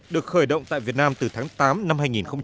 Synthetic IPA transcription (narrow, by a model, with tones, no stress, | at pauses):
ɗɨ˨˩ək̚xəː˧˩jɗə̰˧˨wŋ͡mt̪a̰ː˧˨jvi˨˩ət̚naː˧mt̪ɨ˨˩t̪ʰaː˨˦ŋt̪aː˨˦mna˧mhaː˧jŋi˨˩nxə˧wŋ͡m